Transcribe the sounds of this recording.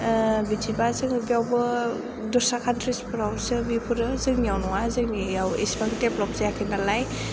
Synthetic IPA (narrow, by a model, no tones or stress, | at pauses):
bid͡ʒibazɯŋbjawbɯ | dɔsakʰantʰɾispʰuɾawsɯbipʰuɾɯzɯŋnijawnɔŋazɯŋnijawisbaŋiteplɔp̚zajakʰɯnalaj